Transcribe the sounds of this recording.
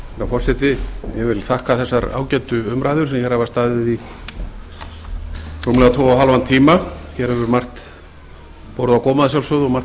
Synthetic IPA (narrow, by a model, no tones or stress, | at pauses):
ɛɾawfɔr̥sɛt̪ɪjɛvɪlθahkaθɛsːaɾa̰ːwcɛnt̪ʏʏmɾaːjðʏɾ̥sɛmçɛɾ̥havaɾst̪aːðɪði | ruːmlɛɣat̪ʰɔːwawɦalvant̪ʰiːmaçɛɾhɛvʏɾmar̥t̪ | powɾʏðawkɔːmaðasjawlsœðɔɣmar̥